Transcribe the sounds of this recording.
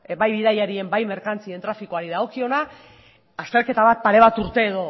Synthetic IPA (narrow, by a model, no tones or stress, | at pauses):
bajβiðajaɾie̞mbajme̞ɾkant͡sie̞nt̪ɾafikoaɾiðaɣ̞o̞kio̞na | ast̪e̞ɾke̞t̪aβat̪̚paɾe̞β̞at̪uɾt̪e̞ːðo̞